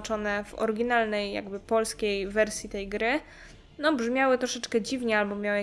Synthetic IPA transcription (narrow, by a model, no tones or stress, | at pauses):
t͡ʂɔnɛvɔ̰ɾɡʲinalnɛjːa̰ɡbɘpɔlskʲejvɛɾsʲjit̪ɛjɡɾɘ | nɔbʐmʲjawɘt̪ɾɔʂɛt͡ʂkɛd͡ʑivɲɛalbɔmʲjawɘ